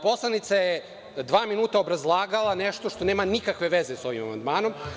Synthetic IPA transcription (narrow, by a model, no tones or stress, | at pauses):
po̞slˠanit̪saje | d̪ʋaːminuːt̪aobɾazlˠaːɡalˠaneʃt̪oʃt̪o̞neːmanikakʋe̞ʋezeso̞ʋima̰ma̰nd̪maːno̞m